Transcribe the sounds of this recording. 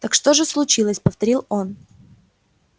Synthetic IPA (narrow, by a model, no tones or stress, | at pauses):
t̪akʂt̪o̞ʐɨslˠʊt͡ɕilˠəsʲpəft̪ɐɾʲilˠon